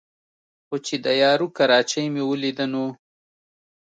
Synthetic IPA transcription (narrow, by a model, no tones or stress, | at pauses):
xot͡ʃed̪əjɑːɾukaɾɑt͡ʃajmewəlid̪əno